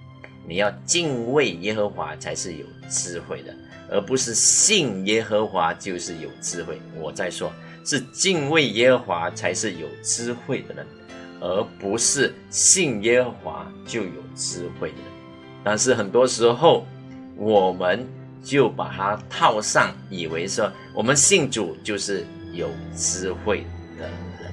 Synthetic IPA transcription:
ni˨˩jɑ˥˧ʊt͡ɕi˥˧nwe˥˩ɪjɛ˥xə˧˥xwa̰˧˥t͡sʰa˧˥ɪʂɻ̩˥˩jo̰˨˩ʊʈ͡ʂɻ̩˥xwe˥˩ɪd̪ə̰˩ | ə̰˧˥pu˧˥ʂɻ̩˥˩ɕi˥˩ŋjɛ˥xə˧˥xwa˧˥t͡ɕjo˥˧ʊʂɻ̩˥˩jo˨˩ʊʈ͡ʂɻ̩˥xwe˥˩ɪwɔ˨˩t͡sa˥˩ɪʂwɔ˥ | ʂɻ̩˥˨t͡ɕi˥˧ŋwe˥˩ɪjɛ˥xə˧˥xwa˧˥t͡sʰa˧˥ɪʂɻ̩˥˩jo˨˩ʊʈ͡ʂɻ̩˥xwe˥˩ɪd̪ə˩nə˨˦ | ə˧˥pu˧˥ʂɻ̩˥˩ | ɕi˥˩ŋjɛ˥xɤ˧˥xwa̰˧˥t͡ɕjo˥˩ʊjo˨˩ʊt͡sɹ̩˥xwe˥˩ɪd̪ə˩ə˦n | t̪a˥˧nʂ̬ɻ̩˥˩xə˨˩nt̪wɔ˥ʂɻ̩˧˥xo˥˩ʊ | wɔ˨˩mə˧˦n | t͡ɕjo˥˩ʊpa̰˨˩t̪ʰa˥t̪ʰɑ˥˧ʊʂɑ˥˩ŋi˨˩we˧˥ɪʂwɔ˥ | wʔɔ˨˩mə˦nɕi˥˩ŋʈ͡ʂu˨˩t͡ɕjo˥˧ʊʂɻ̩˥˩ | jo˨˩ʊt͡sɹ̩˥xwe˥˩ɪ | d̪ə̰˨˦ɻə˧˦

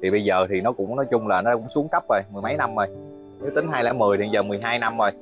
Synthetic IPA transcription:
t̪ʰi˨˩ɓə˧jzəː˨˩t̪ʰi˨˩nɔ˨˦kʊ̰˧˥ŋ͡mnɔ˨˦jt͡ɕʊ˧ŋ͡mlaː˨˩nɔ˦aː˧kʊ̰˧˥ŋ͡msu˨˦əŋkə˦˥p̚vo˨˩jmɨ˨˩əjma˨˦jna˧mzo˨˩j | ni˨˦˥t̪i˨˦ŋ̟ɦaː˧jlɛ̰˧˥mɨ˨˩əjt̪ʰi˨˩zəː˨˩mɨ˨˩əjɦaː˧jna˧mzo˨˩j

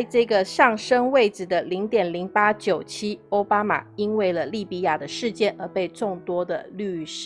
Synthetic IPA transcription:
ʈ͡ʂɤ˥˩ɡə˩ʂɑ˥˩ŋʂə˥ŋwe˥˩ɪʈ͡ʂɻ̩˨˩d̪ə˨li˧˥ŋt̪jɛ˨˩nli˧˥ŋpa˥t͡ɕjo˨˩ʊt͡ɕʰi˥o˥ʊpa˥ma̰˨˩i˥nwe˥˩ɪlə˩li˥˩pi˧˥ja˥˩d̪ə˨ʂɻ̩˥˧t͡ɕjɛ˥˩nə˧˥pe˥˧ɪʈ͡ʂʊ˥˧ŋt̪wɔ˥d̪ə̰˨ly˥˧ʂ̩˩

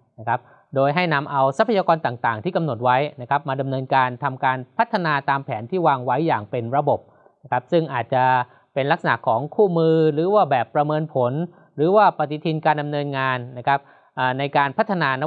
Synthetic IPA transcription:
na˦˥kʰa˦˥p̚ | doː˧jɦa˥˩jna˧mʔa˧wsa˦˥pʰa˧jaː˧kɔː˧nt̪aː˨˩ŋt̪aː˨˩ŋt̪ʰiː˥˩ka˧mno˨˩t̪̚wa˦˥jna˦˥kʰa˦˥p̚maː˧da˧mnɤː˧nkaː˧nt̪ʰa˧mkaː˧npʰa˦˥t̪ʰːa˧naː˧t̪aː˧mpʰɛː˩˦nt̪ʰiː˥˩waː˧ŋwa˦˥jːaː˨˩ŋpe˧nɾa˧bo˨˩p̚ | na˦˥kʰa˦˥p̚sɯ˥˩ŋʔaː˨˩t̪̚t͡ɕa˨˩ | pe˧nla˦˥k̚sa˧na̰˨˩kʰːɔː˩˦ŋkʰuː˥˩mɯː˧ɾɯː˩˦waː˥˩bɛː˨˩pːɾa˧mɤː˧npʰo˩˦n | ɾɯː˩˦waː˥˩pa˨t̪i˨˦t̪ʰi˧nkaː˧nda˧mnɤː˧nŋaː˧nːa˦˥kʰa˦˥p̚ | ʔaː˨˩na˧jkaː˧npʰa˦˥t̪ʰːa˧naː˧na˥

